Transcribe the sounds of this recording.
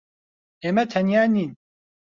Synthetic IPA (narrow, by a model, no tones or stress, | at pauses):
emɛt̪ʰɛnjaːniːn